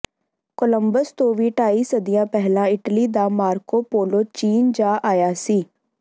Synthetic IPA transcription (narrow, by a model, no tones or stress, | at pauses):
koləmbəst̪õːʋiːʈaːiːsəd̪ijãːpɛɦlãːɪʈliːd̪aːmaːɾkoːpoːloːt͡ʃiːnd͡ʒaːʔaːjaːsiː